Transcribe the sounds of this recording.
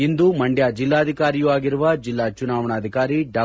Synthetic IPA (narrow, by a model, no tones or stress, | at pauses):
ind̪umɐɳɖjaːd͡ʒilːaːɐd̪ʱikaːɾijuaːɡiɾuʋɐd͡ʒilːaːt͡ʃunaːʋɐɳaːd̪ʱikaːɾiɖaː